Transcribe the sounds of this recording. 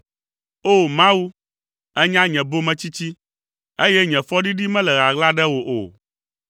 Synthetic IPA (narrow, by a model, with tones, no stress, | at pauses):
o˦mã˦wu˦ | ɛ˦ɲã˦ɲɛ̃˨bo˦mɛ̃˦t͡ɕi˦t͡ɕi˦ | e˦jɛ˦ɲɛ̃˨fɔ˦ɖi˦ɖi˦mɛ̃˦lɛ˨ɣa˨ɡla˦ɖɛ˦wo˨ʔo̰˨